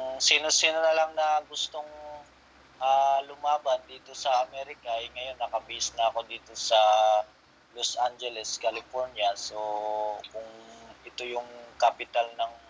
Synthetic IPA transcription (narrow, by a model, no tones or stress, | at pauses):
ŋsiːnosiːnonɐlaŋnɐɡʊst̪o̞ŋ | ʔalʊmaːbɐnd̪iːt̪o̞sɐʔɐmɛːɾɪkɐɐjŋɐjo̞nːɐkɐbɪʔɪsnɐɐko̞d̪iːt̪o̞sɐ | lo̞sʔand͡ʒɛlɛskɐlɪfo̞ɹnjɐsokʊŋʔɛt̪o̞jʊŋkapɪt̪alnɐŋ